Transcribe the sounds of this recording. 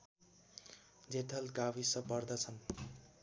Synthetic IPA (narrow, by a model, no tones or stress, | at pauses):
d͡zet̪ʰʌlkawisʌpʌrd̪ʌt͡sʰʌn